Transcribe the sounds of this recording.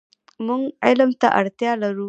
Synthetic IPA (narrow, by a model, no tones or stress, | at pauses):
mʊŋʔa̰jlɐmta̰ʔa̰ɽtɪjalɐɾu